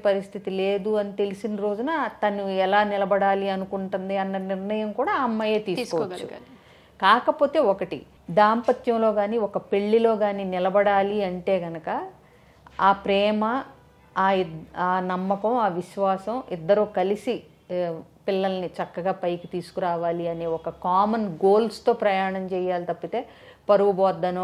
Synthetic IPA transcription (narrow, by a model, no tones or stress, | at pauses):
pɐɾist̪ʰit̪ileːd̪uɐnit̪e̞lisinɾo̞ːd͡ʒunɐt̪ɐnuɛlaːnilɐbɐɽaːliɐnukuɳʈund̪iɐnːɐniɾnɐjɐmkuːɽaːɐmːɐjeːt̪iːsukɔːʋt͡ʃːṵ | kaːkɐpo̞ːt̪e̞ːɔkɐʈḭ | d̪aːmpɐt̪jɐmlo̞ːɡaːniːɔkɐpe̞ɭːilo̞ːɡaːniːnilɐbɐɽaːliɐɳʈe̞ːɡɐnɐkɐ | aːpɾɛːmɐː | aːnɐmːɐkɐmaːʋiʃʋaːsɐmid̪ːɐɾuːkɐlisi | pilːɐlɐnit͡ʃɐkːɐɡaːpɐjkit̪iːsu̥kuɾaːʋaːliɐne̞ːɔkɐkaːmɐnɡo̞ːlst̪o̞ːpɾɐjaːɳɐmt͡ʃɛːjːaːlit̪ɐpːit̪e̞ː | pɐɾuɡubɔːd̪ːɐno